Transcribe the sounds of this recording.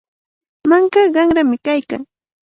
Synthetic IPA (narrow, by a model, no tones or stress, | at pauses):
maŋkaɢɑŋɾamɪkajka̰ŋ